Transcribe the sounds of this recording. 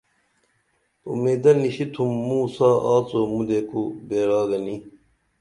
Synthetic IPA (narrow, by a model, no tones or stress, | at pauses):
ṵmeːd̪ɐniɕit̪ʰumːuːsaːaːt͡somud̪ekubeːɾaːɡɐni